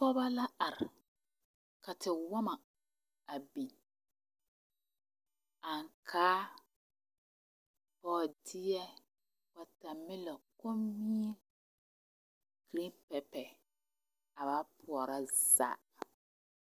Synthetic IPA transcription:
pɔ˦ba˦la˦a˨ɾɪ˨ | ka˨tɪ˨wa˦ma˨ | a˨bi˨ | a˨ŋkʰaː˦ | pɔː˨dɪ˦jɛ˦ | b̥a˨ta˨mɪ˦lɔ˨koː˦i˦ | ɡ̥ɾĩ˦pɛ˨pɛ˨ | a˨ba˦pʰʊ˨ɔ˨ɾa˦z̥a̰ː˨

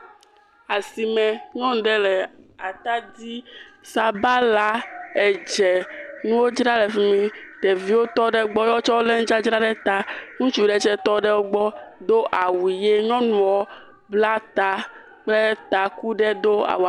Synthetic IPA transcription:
a˨si˨mɛ̃˨ŋɔ̃˦ŋ˨ɖɛ˦lɛ˨a˨t̪a˦d̪i˦sa˨ba˦la˦ɛ˨d͡ʒɛ˨nũ˦wo˦d͡ʒɾa˦lɛ˨fi˦mĩ˦ɖɛ˨vi˨˦wo˦t̪ɔ˦ɖɛ˦ɡ͡bɔ˦jɔ˦t͡ʃɔ˦wo˦lɛ˦ŋ̩̃˦d͡ʒa˦d͡ʒɾa˦ɖɛ˦t̪a˦ŋũ˦t͡ʃu˦ɖɛ˨t͡ʃɛ˦t̪ɔ˦ɖɛ˦wo˦ɡ͡bɔ˦d̪o˦ʔa˨wu˨je˦ŋɔ̃˦nũ˨˦wɔ˦ | bla˦t̪a˨ | k͡plɛ˦t̪a˨ku˦ɖɛ˦d̪o˦a̰˨wa˨

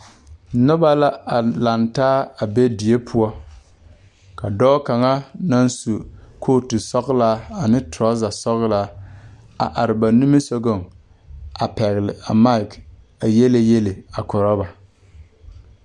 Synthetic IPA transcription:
nʊ˦ba˦la˦a˨la˨ntaː˦a˨be˦di˨e˦pʰʊ˦ɔ˦ | ka˨dɔː˦ka˨ŋa˦na˦nsu˨kʰoː˦˨tu˨sɔ˦ɣla˦a˨nɪ˦tɾɔ˦za˨sɔ˦ɣla˦ | a̰˨ʔa˨ɾɪ˨ba˨nu˦mi˦so˦ɡo˦˨ŋ | a˨pɛ˨ɣɪ˨lɪ˨a˨ma˦ɪ˨k | a˨je˦le˦je˦le˨a˨kɔ˨ɾɔ˦ba˨

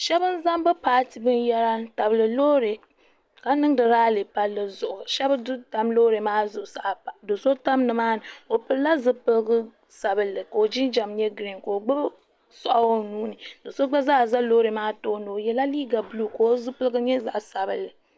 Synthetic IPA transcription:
ʃɛ˦bɨ˦n˦za˦mbɨ˦paː˦tɨ˨bɨ˦njɛ˦ɾa˦ta˨bɨ˨lɨ˨loː˦ɾe˨ | ka˦nɨ˦ŋ˦dɨ˨ɾaː˦lɨ˨pa˦lːɨ˦zʊ˨ʔʊ˨ʃɛ˦bdɨ˦ta˦mloː˦ɾe˨maː˦zʊ˨ʔʊ˨sa˨ʔa˨do˨so˦ta˦mnɨ˨maː˦nɨ˨o˨pɨ˨lla˦zɨ˦pɨ˦lɡɨ˦ | sa˨bɨ˦lːɨ˨ka˨o˨d͡ʒi˦nd͡ʒa˨mɲɛ˦ɡɾi˨ŋko˨o˨ɡ͡bɨ˦ | sɔ˨ʔa˦o˦nuː˦nɨ˨do˨so˦ɡ͡ba˦za˦˨za˦loː˦ɾe˨maː˦toː˦no˨jɛ˨la˦liː˦ɡa˨bluː˦ko˨o˦zɨ˦pɨ˦lɨ˦ɡɨ˦ɲɛ˦za̰˨ʔsa˨bɨ̰˨lːɨ˨

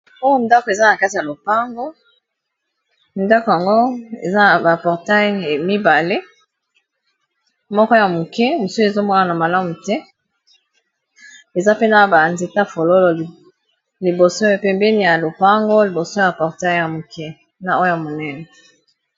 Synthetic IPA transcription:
o˦jo˦n˨da˦ko˨e˨za˦na˨ka˦ti˨ja˨lo˨pa˦ŋɡo˦ | nda˦ko˨ja˨ŋɡo˦ḛ˨za˦a˨ba˨pɔ˨ʁta˦jmi˦ba˨le˦ | mɔ˦kɔ˦ja˨mo˨kɛ˦mo˨su˦e˨zo˦mwa˦na˨na˨ma˨la˦mu˨tɛ˦ | e˨za˦pe˦na˨ba˨nze˨ta˦fo˨lo˦lɔ˨ | li˨bo˨so˦e˨pɛ˨mbɛ˦ni˨ja˨lo˨pa˦ŋɡo˦li˨bo˨so˦ja˨pɔ˨ʁta˦jja˨mo˨kɛ˦ | na˨o˦ja˨mo˨nɛ˦nɛ˨

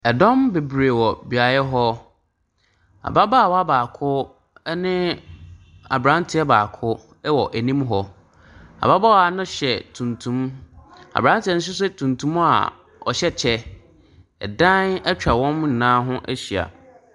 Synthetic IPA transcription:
ɛ˨dɔ̃˦mbe˨bɾe˨wɔ˨bi˨a˨jɛ˦ɦɔ˦ | a̰˨ba˦baː˦˨wa˦baː˨kʰʊ˦ | nɪ̃˦ | a̰˨bɾã˨˦ntʰɪ˨˦ɛ˦baː˨kʰʊ˦ | wɔ˨ʔæ˨nĩ˦mɦɔ˦ | a̰˨ba˦ba˦wa˦nʊ̃˦ɕɛ˨tʰũ˨ntʰũ˦m | a̰˨bɾã˦ntʰɪ˨ɛ˦nʊ̃˦ɕ̬ɪ˦s̬ɛ˦tʰũ˨ntʰũ˦ma̰˨ | ɔ̰˨ɕɛ˦t͡ɕʰɛ˦ | ɛ̰˨dã˦nɛ˦t͡ɕᶣa˨wɔ̃˦mn̩˨nãː˦ɦʊ̃˦ʔæ˦ɕi˨a̰˨

